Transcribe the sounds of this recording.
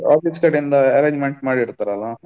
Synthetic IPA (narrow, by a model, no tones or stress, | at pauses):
a̰ːpisʈeːʈind̪ɐɐɾeːɲd͡ʒmeɳʈmaːɽiːɾt̪aːɾɛɐlːɐ